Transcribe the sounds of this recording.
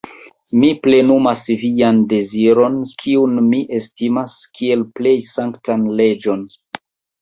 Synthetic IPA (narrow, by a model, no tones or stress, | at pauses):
miple̞numasvijande̞ziɾo̞nkʰiunmiʔestimaskʰie̞lple̞jsaŋktanle̞d͡ʒo̞n